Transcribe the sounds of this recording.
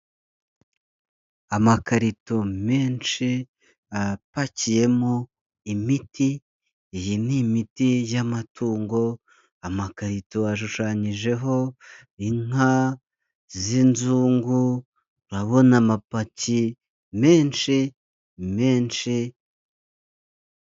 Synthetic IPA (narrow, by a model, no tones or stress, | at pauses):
amakaɾito̞me̞ːnʃi | apacije̞mo | imitiː | jinimitijamatʰuːŋɡo̞ | amakaɾito̞aʃ̬uʃaɲiʒe̞ɦo̞ | iŋ̥a | zinzuːŋɡu | ɾaβo̞namapaci | me̞ːnʃi | me̞ːnʃi